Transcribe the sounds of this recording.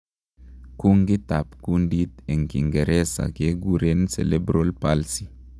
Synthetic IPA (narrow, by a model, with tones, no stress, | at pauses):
ku˦ŋɡi˦t̪a˨pku˦ndi˦t̪e˨ŋkḭ˨ŋɡe˨ɾʔe˦sa̰˨ke˦ɡu˦ɾe˦nsḛ˨le˦bɾo˦lpa˦lsi˨